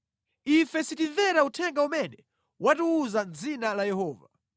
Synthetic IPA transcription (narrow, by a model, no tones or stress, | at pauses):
ifɛsitiɱvɛɾautʰɛŋɡaumɛnɛ | watuuzand͡zinalajɛhɔːva